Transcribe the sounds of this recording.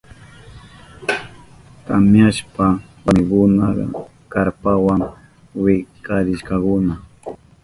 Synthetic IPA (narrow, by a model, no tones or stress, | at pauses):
t̪amjaʃpawamɪkʊnaɢ̰ | kaɾpawaŋ | wɪkaɾɪʃkɑkʊna